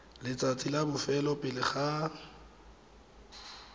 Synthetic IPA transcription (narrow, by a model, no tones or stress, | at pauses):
lɪt͡sʼat͡sʰʼilabʊfɛlɔpʼɪlɪχa